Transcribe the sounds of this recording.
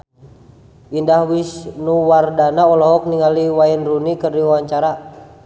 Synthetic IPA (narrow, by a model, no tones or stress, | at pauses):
indahwisnuwardanaɔlɔɦɔk̚niŋaliwainrunikərdiwawaɲt͡ʃaɾa